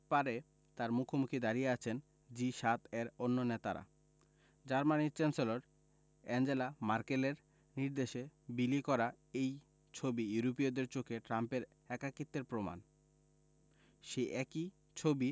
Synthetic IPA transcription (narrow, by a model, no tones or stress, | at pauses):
paɾe | t̪aɾmukʰomukʰid̪aɾijeat͡ɕʰen | d͡ʑiʃat̪ʰeɾonːonet̪a̰ɾa̰ | d͡ʑaɾmaniɾt͡ɕɛnseloɾ | ɛnd͡ʑelamaɾkeleɾ | niɾd̪eʃebilikɔɾa | ej | t͡ɕʰobijuɾopiod̪eɾt͡ɕokeʈɾampeɾ | ɛkakit̪ːeɾpɾoma̰n | ʃeʔɛki | t͡ɕʰobi